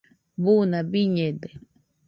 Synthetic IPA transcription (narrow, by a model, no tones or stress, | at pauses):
bunabiɲed̪e